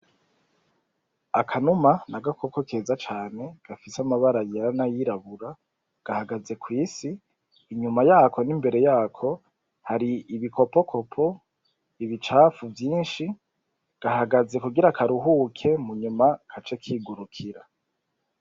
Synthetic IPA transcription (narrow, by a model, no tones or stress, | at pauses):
akʰanumanaɡako̞ko̞kʰe̞zat͡ʃaːne̞ɡ̥afisamaβaɾajeɾanajiɾaβuɾa | ɡ̥ahaɡaze̞kwiːsiː | ɲumajaːkʰo̞nimbe̞ɾe̞jaːkʰo̞ | haɾiːβiko̞po̞kʰo̞pʰo̞ | iβit͡ʃaːfuvjiːnʃi | ɡ̥ahaɡaze̞kuɡiɾakʰaɾuɦuːkʰe̞muɲumakʰat͡ʃekʰiːɡuɾukʰiɾa